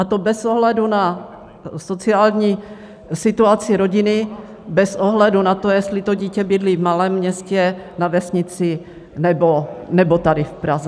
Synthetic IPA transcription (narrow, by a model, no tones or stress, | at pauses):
ʔat̪obɛzoɦlɛduna | sot͡siaːlɲiː | sɪt̪uat͡sɪɾo̞ɟɪnɪ | bɛsʔoɦlɛdunat̪ojɛst̪lɪt̪oɟiːcɛbɪdliːvmalɛːmːɲɛscɛnavɛsɲɪt͡sɪ | nɛbonɛbot̪adɪfpɾazɛ